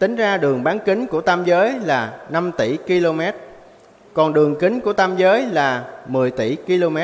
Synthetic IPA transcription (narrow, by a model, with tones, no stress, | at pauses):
t̪ï˨˦ŋ̟zaː˧ɗɨ˨˩əŋɓaː˨˦nkï˨˦ŋ̟ku˧˩ət̪a˧mzəː˨˦jlaː˨˩na˧mt̪i˧˩ki˧lo˧mɛ˦˥t̚ | kɔ˨˩nɗɨ˨˩əŋkï˨˦ŋ̟ku˧˩ət̪a˧mzəː˨˦jlaː˨˩mɨ˨˩əjt̪i˧˩ki˧lo˧mɛ˦˥